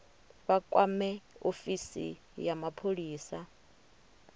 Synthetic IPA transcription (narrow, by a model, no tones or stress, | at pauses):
βakʼwamɛofisḭ | jamapʰoɺiːsa